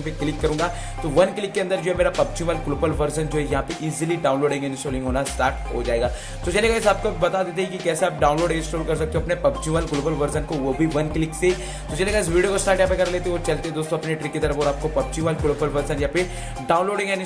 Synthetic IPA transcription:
peklɪkːɐɾũːɡa | t̪oʋɐnklɪkːeɐ̃nd̪əɾd͡ʒoːɦɛmeːɾapɐb̚t͡ʃĩʋaːlɡloːbəlʋɐɾsənd͡ʒoːɦɛjɐɦãpeʔiːziliɖaːʊnloːɖɪ̃ŋɡɛnsʈoːlɪ̃ŋɡɦoːnasʈaːɾʈ̚ɦo̰d͡ʒaːeːɡaː | t̪ot͡ʃɐleːɡaɪs̬aːp̚kobɐt̪ad̪eːt̪̬eɦikikɛːseaːp̚ɖaːʊnloːɖɪ̃nsʈoːlkɐɾs̬ɐk̚t̪ẽõɐpnepɐbt͡ʃũʋaːlɡloːbəlʋɐɾsənkoʋobʱiʋɐnklɪkse | t̪ot͡ʃɐleːɡaɪs̬ʋiːɖijokosʈaːɾʈjãpekɐɾleːt̪eeoːt͡ʃɐlt̪eɦɛ̃d̪oːst̪õɐpneʈɾikːit̪ɐɾəfɔːɾaːp̚kopɐb̚t͡ʃĩʋaːlɡloːbəlʋɐɾsənjapɪɾ | ɖaːʊ̃nloːɖɪ̃ŋɡɛn

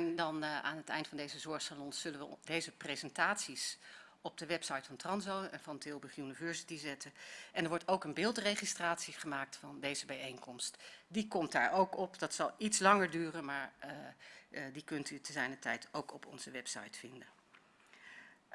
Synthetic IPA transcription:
ndɑna̰ːnɦətɛ̰jndə̥fɑndejzəzɔɹχsalɔnsz̥ɵlənʋədejzəprezɛntaːtsis | ɔb̚dəʋɛpsɑjtfɑntrɑnzowɛnvɑntɪlˠbəχjunivɛɹsi̥tizɛtəʔɛndəɹʋɔɹtowkənbɪːlˠtrejχistraːtsiχəmaːk̚tfɑndejzəbɛjejŋkɔmstdikɔmtda̰ːɹʔowkɔpd̥ɑtsɑlˠitslɑŋəɹdyːrənmaːɹ | dikɵntytəzɛjnətɛjtʰowkɔpʰɔ̰nzəʋɛpsɑ̰jtfɪndən

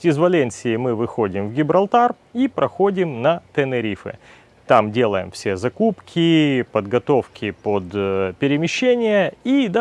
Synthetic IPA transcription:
ɪzvɐlʲenʲsʲɪːmɨvɨxodʲɪmvɡʲɪbɾɐlˠt̪ar | ipɾɐxodʲɪmnɐt̪ɛnɨɾʲifɨ̰ | t̪amdʲe̞lˠəjɪ̰mfsʲezɐkupkʲɪpəd̪ɡɐt̪o̞fkʲɪpod̪pʲɪɾʲɪmʲɪɕːenʲɪjəid̪

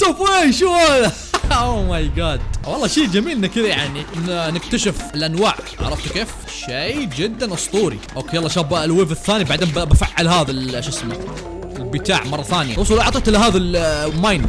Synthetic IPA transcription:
t̪ofeʃuaða | oːmajɡɑːd̪wɑlˤːɑːʃiːd͡ʒamiːlnakɪðjaʕninnɪk̚t̪aʃɪfɪlʔanwaːʕ | aʕɾˤɑft̪keːf | ʃejd͡ʒɪd̪ːanʔɑsˤt̪ˤuːɾḭʔokːejɑlˤːɑːʃaːhblwɪfɪθːaːnibaʕd̪eːnbbafaʕːalɦaːðalʃɪsla | ɪlbɪt̪aːʕmɑrˤːɑθaːnja̰ʊs̬ˤulʔɑʕt̪ˤiːt̪lɦaːðalmajn

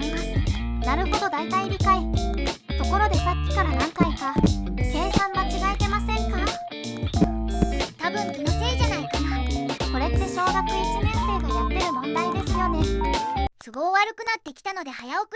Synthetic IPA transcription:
imasɨ̥naɾɯ̟ho̞d̪o̞d̪ait̪aiɾʲikait̪o̞ko̞ɾo̞d̪e̞sakʲːi̥kaɾanãŋkaikake̞ːsãɰ̃βat͡ɕiɡaet̪e̞masẽ̞ŋka | t̪abɯ̟̃ŋkʲinokeiʑanaikanako̞ɾe̞t̪ːe̞ɕo̞ːɡakɯ̟isimẽ̞ɰ̃se̞ːɡ̪ojat̪ːe̞ɾɯ̟mõ̞nd̪aid̪e̞sɨjo̞ne̞ | sɨɡo̞ːβaɾɯ̟kɯ̟nat̪ːe̞kʲi̥t̪ano̞d̪e̞hajaokɯ

